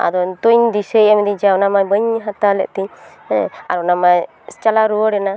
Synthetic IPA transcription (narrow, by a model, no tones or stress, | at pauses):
a̰d̪ɔt̪ujnd̪isəjamid̪id͡ʒawnamabəɲɦat̪alɛ̰ʔt̪iɲ | ɛ̰̃a̰ɾɔnama | st͡ʃalaɾuwɔɽɛna